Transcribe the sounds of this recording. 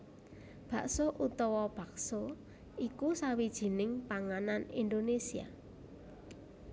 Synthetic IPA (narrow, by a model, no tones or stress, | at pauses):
b̥a̤ʔsoʔut̪ɔwɔb̥a̤kso | ikusawid̥ʒ̥i̤nɪŋpaŋananind̪onesia̰